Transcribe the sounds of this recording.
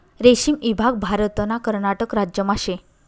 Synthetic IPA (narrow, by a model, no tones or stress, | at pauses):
ɾeɕimibʱaɡ̚bʱaɾət̪ənakəɾɳaʈəkɾad͡ʑjəmaɕe